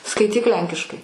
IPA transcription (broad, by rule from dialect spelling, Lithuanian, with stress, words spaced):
skɐɪˈtʲiːk ˈlʲɛŋʲkʲɪʃkɐɪ